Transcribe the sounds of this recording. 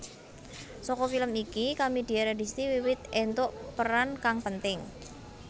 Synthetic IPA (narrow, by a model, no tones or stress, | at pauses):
sɔkɔfiləmikikamidi̤aɾadist̪iwiwɪt̪̚ɛnt̪ʊʔpəɾankaŋpənt̪ɪŋ